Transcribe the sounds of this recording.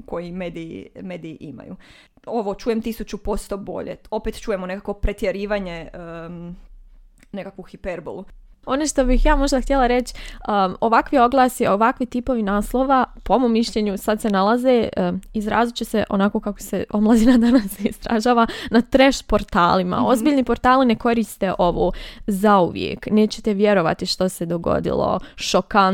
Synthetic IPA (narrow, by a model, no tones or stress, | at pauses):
ko̞jimeːd̪ijḭmeːd̪iiʔima̰jṵ | o̞ʋot͡ʃuːjemt̪isut͡ʃupo̞st̪obo̞̰ʎḛo̞pet̪t͡ʃuːjemone̞kakʋopɾet̪jeɾiːʋaɲe | ne̞kakʋuxipeɾbo̰lˠu | o̞neʃt̪o̞bixjaːmo̞ʒd̪axt̪jelˠaɾe̞t͡ɕəo̞ʋakʋio̞ɡlˠaːsioʋakʋit̪ipo̞ʋinaːslˠoʋapoomoːmːiʃʎe̞ːɲusad̪se̞nalaze̞izɾaːzit͡ɕeseʔo̞̰nako̞ːkako̥se̞o̞mlˠad̪inad̪anasist̪ɾa̰ʒaːʋanat̪ɾeʃpo̞ɾt̪a̰ːlima̰o̞zbiːʎnipoɾt̪aːline̞ko̞ɾiːst̪eʔo̞ʋoːzauʋjḛkneːt͡ɕet̪eʋje̞ɾo̞ʋa̰t̪iʃt̪ose̞d̪o̞ɡo̞̰d̪ḭlˠo̞̰ʃoka